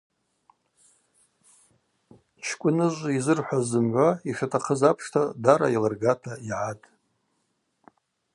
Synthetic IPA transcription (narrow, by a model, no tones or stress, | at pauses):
t͡ʃʰkʷʼʊnɨʒʷizɨrħʷazɨmʕʷaiʂatʰaqʰəzapʰʂtʰadaɾa̰ilarɡatʰaiʕatʼ